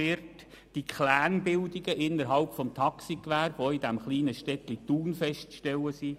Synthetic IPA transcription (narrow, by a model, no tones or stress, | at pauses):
ɪɾt | d̥ikʰlæːnbɪldiɡəʔɪnːəɾɦɑlpfɔmt̪ʰɑksikʋæːɾʋoidæmχliːnəʃtɛt̪lit̪uːnfɛʃtʃtɛləsi